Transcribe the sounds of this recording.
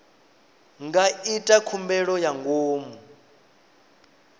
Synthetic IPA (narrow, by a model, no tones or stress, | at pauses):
ŋɡaitʼakʰumbɛɺɔjaŋɡoːmu